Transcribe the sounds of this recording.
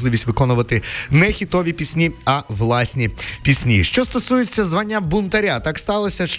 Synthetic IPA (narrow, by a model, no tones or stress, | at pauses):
lˠɪʋʲisʲtʲʋɪkɔnʊʋɐt̪ɪnɛxʲit̪ɔʋʲipʲisʲnʲiɐʋlˠɑsʲnʲipʲisʲnʲiʃt͡ʃɔst̪ɔsujɪt͡sʲːɐzʋanʲːɐbʊnt̪ɐɾʲat̪ɑkst̪ɑlˠɔsʲɐʃ